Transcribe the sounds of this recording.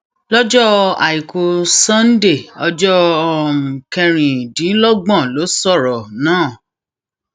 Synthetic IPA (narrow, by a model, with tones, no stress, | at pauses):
lɔ˦d͡ʒɔ˦a̰˨i˨ko˧sã˦n˦de˦˨ɔ˧d͡ʒɔ˦ɔ˨m̩˨kɛ˧ɾ̃ĩ˨dĩ˨˦lɔ˦ɡ͡bɔ̃˦˨lo˨˦sɔ˦˨ɾɔ˨nãː˦˨